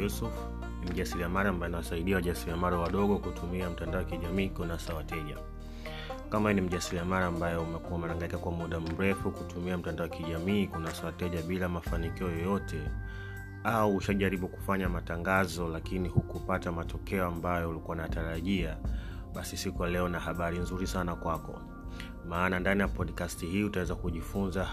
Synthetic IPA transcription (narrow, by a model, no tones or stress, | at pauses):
jusuf | nim̩ʄasiɾiamaɾaːmbajɛnawasaiɗiawaʄasiɾiamaɾawaɗɔɠɔkutʰumiam̩tandaɔwakiʄamiːkunasawatɛʄa̰ | kamajunim̩ʄasiɾiamaɾaːmbajɛumɛkuaumɛaŋɡaikakwamuɗam̩ɾɛfukutumiam̩tandaɔwakiʄamiːkunasawatɛʄaɓilamafanikiɔjɔjɔtɛ | auuʃaʄaɾiɓuku̥faɲamataŋɡazɔlakinihukupatamatɔkɛɔambajɔulikuanaataɾaʄiaɓasisikujalɛɔnahaɓaɾinzuɾisanakwakɔ̰ | maːnandanijapɔɗkastiɦiːutawɛzakuʄifunza